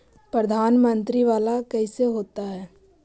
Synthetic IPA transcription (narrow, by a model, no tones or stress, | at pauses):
pɾəd̪ʱaːnmə̃nt̪ɾiʋaːlakɛɪseɦoːt̪aɦɛː